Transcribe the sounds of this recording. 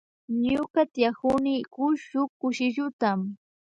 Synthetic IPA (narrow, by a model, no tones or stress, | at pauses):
ɲʊkat̪jakʊnɪkʊʃʊkːʊʃɪʎʊt̪am